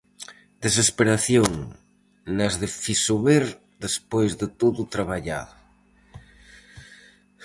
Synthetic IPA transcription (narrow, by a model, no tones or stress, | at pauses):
d̪es̬espeɾaθjoŋ | nazðefisuβeɾ | d̪espojzðɪt̪oðut̪ɾaβaʎa̰ðʊ